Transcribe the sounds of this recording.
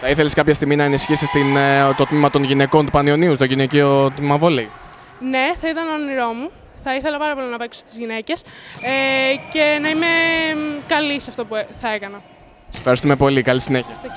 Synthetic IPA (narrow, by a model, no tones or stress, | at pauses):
θɐiθe̞liskɐpçɐst̪iɣminɐenisçisist̪int̪o̞t̪mimɐt̪o̞nʝine̞ko̞nt̪upɐnio̞niut̪oʝineciot̪imɐvo̞li | ne̞θɐit̪ɐnoniɾo̞mu | θɐiθelɐpɐɾɐpo̞linɐpe̞ksost̪izʝinece̞sece̞nɐime̞kɐlisɐft̪o̞pueθɐekɐnɐ | sesefxɐɾist̪ume̞po̞likɐlisineçiɐst̪